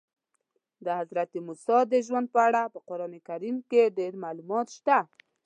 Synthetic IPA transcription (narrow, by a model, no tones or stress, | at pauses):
d̪əhazɾat̪imusɑd̪əʒwand̪̚pəaɽapəqʊɾɑnekaɾimkeɖeɾmalumɑt̪ʃt̪a